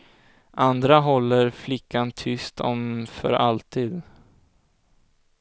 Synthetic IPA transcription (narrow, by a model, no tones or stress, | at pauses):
ʔand̪ɾaɦɔlːəɾflɪkːant̪ʰʏst̪ʰɔmfœ̰ɾalt̪iːd̪